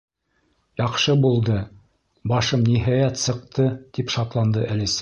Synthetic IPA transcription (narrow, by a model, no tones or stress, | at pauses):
jɑqʃɤbulˠd̪ɤ | bɑʃɤmniɦɑjæt̪sɤ̆q̚t̪ɤt̪ipʃɑt̪lˠɑnd̪ɤʔælɘs